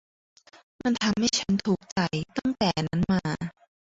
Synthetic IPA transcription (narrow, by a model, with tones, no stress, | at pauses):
ma˧nt̪ʰa˧mha˥˩jt͡ɕʰa˦˥nt̪ʰuː˨˩k̚t͡ɕa˨˩jt̪a˥˩ŋt̪ɛː˨˩na˦˥nmaː˧